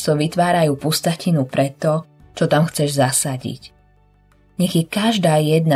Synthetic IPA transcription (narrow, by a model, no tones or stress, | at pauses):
t̪ɔʋit̪ʋaːɾajuːpust̪acinupɾɛt̪ːɔ | t͡ʃɔt̪amxt͡sɛʒzasaɟḭc | ɲɛɣjɛkaʒd̪aːjɛd̪na